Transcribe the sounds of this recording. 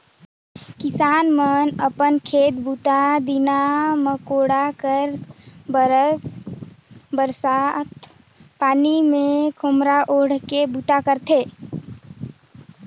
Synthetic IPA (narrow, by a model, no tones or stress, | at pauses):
kɪsaːnmənəpənkʰeːt̪but̪ad̪inaməkoɽakəɾbəɾəs | bəɾsat̪ | paːnimẽkʰomɾaʔoɽ̤kebut̪akəɾt̪ʰe